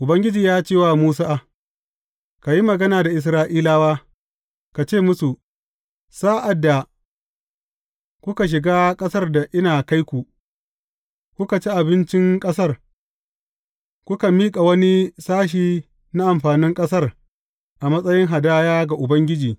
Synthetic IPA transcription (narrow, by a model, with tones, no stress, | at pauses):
ʔʊ˨bɐ˦ŋɡʲɪ˦d͡ʒiː˨jaː˦t͡ʃeː˦˨waː˨muː˦s̬aː˦ʔa˨ | ka˨ji˦mɐ˨ɡɐ˦naː˨da˨ʔɪ˨s̬ɾaː˦ʔiː˦laː˦waː˦ | ka˨t͡ʃeː˦˨mʊ˦su˨ | saː˦ʔa˨dːa˨ | kʷʊ˦ka˨ʃ̬ɪ˨ɡaː˦kʼɐ˦sɐ˦rda˨ʔɪ˦naː˨ka˦jkʷu˨ | kʷʊ˦ka˨t͡ʃi˦ʔa˨bɪ˦nt͡ʃɪ˦ŋkʼɐ˦s̬ɐ˦r | kʷʊ˦ka˨miː˦kʼa˨wɐ˦ni˦saː˦ʃ̬iː˨ | na˦ʔa˨mɸaː˨nɪ˦ŋkʼɐ˦sɐ˦r | ʔa˨mɐ˦sʼɐ˦jɪ˦ŋɦa˨daː˦jaː˦ɡa˨ʔʊ˨bɐ˦ŋɡʲɪ˦d͡ʒiː˨